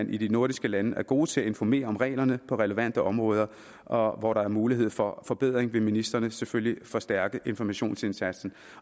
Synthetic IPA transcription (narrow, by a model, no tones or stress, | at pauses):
ænʔid̥ino̝ɐɾisɡ̥əlænəʔæɐɡ̥o̝ːt͡sʰe̝æe̝nfɒme̝̰ːɐɒ̽mʁɛ̰ːɪlɐnəpʰɒ̽ʁɛləʋæn̰d̥əʔɒ̽mʁɔ̽ːð̞ˠɐ | ʔɒ̽ʋɒɾɑ̈æɐmuːliɦe̝ð̞̰ˠfɒ̽fɒ̽b̥e̝ð̞̰ˠʁeŋʋe̝minisd̥ʁɐnəseføljlifɒ̽sd̥æɐɡ̥əʔe̝nfɒmæɕo̝̰ːnse̝nsæd̥sn̩